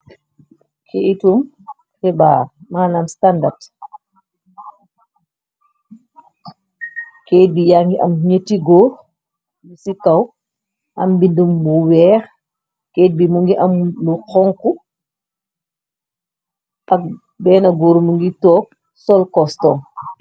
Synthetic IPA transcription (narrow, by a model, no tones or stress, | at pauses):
kʰeʔitum | tɛbaːmaːnamstandard | keːt̚bijaːŋɡiʔamɲətːiɡɔːɾ | lusikaw | ʔambindumːuwɛːɾ | keːt̚bimuŋɡiʔamlukɔŋku | ʔak̚ | bɛːnaɡɔːɾumuŋɡitɔːk̚ | sɔlkɔstɔŋ